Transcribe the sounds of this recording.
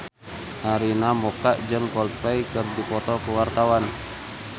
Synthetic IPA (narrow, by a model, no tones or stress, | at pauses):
ʔaɾinamɔkaʔd͡ʒəŋkɔlpɛjkɨrdipɔt̪ɔkuwart̪awan